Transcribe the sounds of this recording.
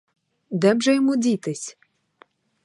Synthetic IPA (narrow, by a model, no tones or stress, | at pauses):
d̪ɛmʐɛjɔmudʲit̪ɨsʲ